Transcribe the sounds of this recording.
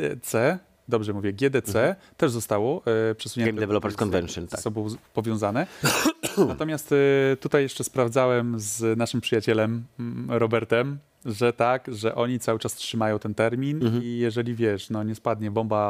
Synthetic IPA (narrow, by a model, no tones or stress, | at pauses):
t̪sɛ | d̪ɔbʐɛmuvʲjɛɡʲjɛd̪ɛt̪sɛ | t̪ɛʐzɔst̪awɔpʂɛsuɲɛnd̪ɛvɛlɔpɛɾskɔnvɛnʂnasɔbɔ̃w̃pɔvʲjɔ̃w̃zanɛ | nat̪ɔmʲjast̪t̪ut̪ajːɛʂt͡ʂɛspɾavdzawɛmznaʂɘmpʂɘjat͡ɕɛlɛmɾɔbɛɾt̪ɛm | ʐɛt̪akʐɛʔɔɲit̪sawɘt͡ʂastʂɘmajɔ̃w̃t̪ɛnt̪ɛɾmʲinijɛʐɛlʲivʲjɛʂnɔɲɛspad̪ɲɛbɔmba